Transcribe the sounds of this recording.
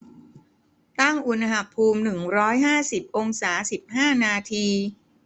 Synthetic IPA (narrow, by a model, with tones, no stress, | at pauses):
t̪a˥˩ŋʔu˧nɦa˧˩pʰuː˧mnɯ˨˩ŋɾɔː˦˥jɦaː˥˩si˨˩p̚ʔo˧ŋsaː˩˦si˨˩p̚haː˥˩naː˧t̪ʰiː˧